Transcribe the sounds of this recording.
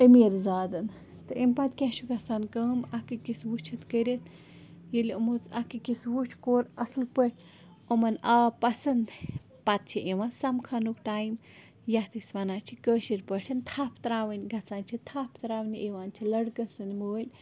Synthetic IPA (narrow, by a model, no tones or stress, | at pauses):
əmeɾzaːd̪ɐn | t̪ɨʔempɐt̪kʲɛt͡ʃʰuɡɐt͡saːnkəːmɐkɨkiswut͡ʃʰit̪kəɾʲit̪ | jelʲumut͡sɐkɨkiswut͡ʃʰkoːɾɐslpəʈʲʰ | omɐnaːpɐsɐnd̪ | pɐt̪̚t͡ʃʰiʔeʋãːnsɐmkʰɐnukʈaːjm | jɐt̪ɨsʋɐnaːt͡ʃʰikəːʃiɾʲpəʈʰɐnt̪ʰaːpʰt̪ɾaːʋɐnʲɡɐt͡saːnt͡ʃʰit̪ʰapʰt̪ɾaːʋnʲieʋaːnt͡ʃʰilɐɽɡɐsɨnʲmoːlʲ